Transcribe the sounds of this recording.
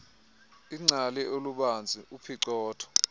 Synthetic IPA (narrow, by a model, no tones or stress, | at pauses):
iŋ͡ǀalɛʔoluɓand͡zʱiʔupʰiǀɔːtʰɔ̥